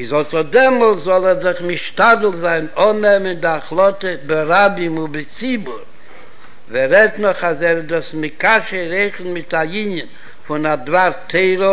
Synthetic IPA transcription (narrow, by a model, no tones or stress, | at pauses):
ɪzhɔtɔdɛmɔlˠszɔlˠɛɾzɪχmɪʃtadl̩ˠzaɪnɔnɛməndɪaχlˠɔtəbɪɾabɪmʊbɪt͡sibʊɾ | vɛɾɛtnɔχazɛɾdɔsmɪkaʃəɾeɪχn̩mɪtaiɲən | fʊnadvaɾtʰeɪɾə